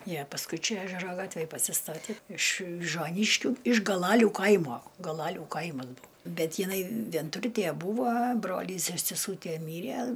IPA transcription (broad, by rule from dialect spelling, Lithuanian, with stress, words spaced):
ˈjiɛ pɐsˈkʊɪ ˈt͡ʃʲɛ ˈæːʒʲɛroː ˈɡɑːtʲʋʲeːj pɐsʲɪˈstɑːtʲeː ɪʃ ʋʲɪʒuɔˈnʲiːʃʲkʲuː ɪʃ ɡɐˈlˠɑːlʲuː ˈkɐɪmoː ɡɐlˠɐˈlʲuː ˈkɐɪmɐs ˈbʊʊ ˈbʲɛt jɪˈnɐɪ ʋʲiɛnˈtʊrʲtʲiɛ ˈbuːʋoː ˈbroːlʲiːs ɪr sʲɛˈsuːtʲiɛ ˈmʲiːrʲiɛ